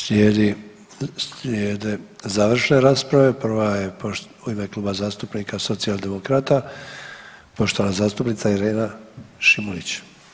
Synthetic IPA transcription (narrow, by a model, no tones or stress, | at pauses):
slʲjeːd̪i | slʲjeːd̪e̞zaːʋr̩ʃne̞ɾaːspɾaʋe̞pr̩ʋajepo | uime̞klˠuːbazaːst̪upnikaso̞t̪sialˠd̪e̞mokɾat̪a | po̞ʃt̪oanazaːst̪upnit̪saiɾeːnaʃimulit͡ɕ